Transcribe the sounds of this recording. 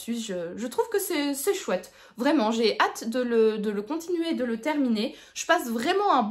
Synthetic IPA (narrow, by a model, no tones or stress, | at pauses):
sɥiʒəʒət̪χuvkəsɛsɛʃwɛt̪ | vʁɛmɑ̃ʒeʔat̪d̪ələd̪ələkɔ̃t̪inɥeːd̪ələt̪ɛʁmine | ʒ̥əpasvʁɛmɑ̃ɛ̃b